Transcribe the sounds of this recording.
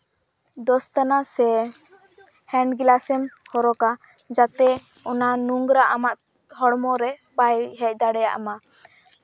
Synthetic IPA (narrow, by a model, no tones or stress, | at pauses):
d̪ɔst̪anasɛ | hɛɳɖɡilasɛmhɔɾɔka | d͡ʒat̪ɛ | ɔnanuŋɡɾaʔamaʔ̚ | ɦɔɽmɔɾɛbajɦɛc̚ˀd̪aɽɛja̰ʔama